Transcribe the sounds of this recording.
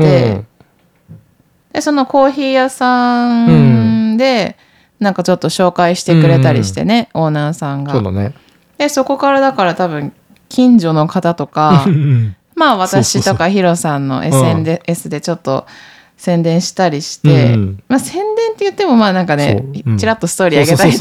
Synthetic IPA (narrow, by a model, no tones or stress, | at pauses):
t̪e̞ | d̪̥e̞so̞no̞ko̞ːçiːjasãn | d̪e̞ | nãŋkat͡ɕo̞t̪ːo̞ɕo̞ːkaiɕi̥t̪e̞kɯ̟ɾe̞t̪aɾʲḭɕi̥t̪e̞̰ne̞o̞ːnaːsãŋɡane | d̪̥e̞so̞ko̞kaɾad̪akaɾat̪abɯ̟̃ŋ | kʲĩɲd͡ʑo̞no̞kat̪at̪o̞ka | maːβat̪aɕit̪o̞kaçiɾo̞sãnːo̞̰ʔḛsẽnesɨd̪e̞t͡ɕo̞t̪ːo̞̰ | sẽ̞nd̪ẽ̞ɰ̃ɕi̥t̪aɾʲiɕi̥t̪e̞̰maːsẽ̞nd̪ẽ̞nt̪ːe̞jɯ̟t̪ːe̞mo̞maːnãŋkane̞̰t͡ɕiɾat̪ːo̞sɨ̥t̪o̞ːɾʲiaɡe̞t̪ai